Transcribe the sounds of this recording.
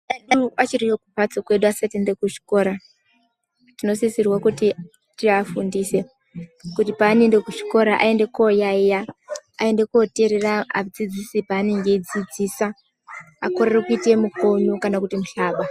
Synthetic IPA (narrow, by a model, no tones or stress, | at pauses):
aat͡ʃiriwokupat͡sokwe̞ɗuasatiendekuʐi̥ko̞ːɾa | tino̞sisirwakuti | tiafundiːse̞ | kutipaːne̞ndekuʐi̥ko̞ɾaʔa̰e̞ndekojaijaa̰e̞ndekuote̞ɾeraa̰d͡zid͡zisipaːne̞ŋɡe̞id͡zid͡ziːsa | akorerekuite̞muko̞ɲokanakutimuɬaːɓa